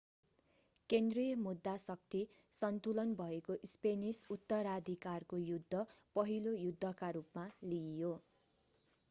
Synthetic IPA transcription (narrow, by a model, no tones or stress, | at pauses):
kend̪rijʌmud̪ːasʌk̚t̪ʰi | sʌnt̪ulʌnbʱʌekoʔspenisut̪ːʌɾad̪ʱikarkojud̪ʱːʌpʌɦilojud̪ʱːʌkaɾupmalijo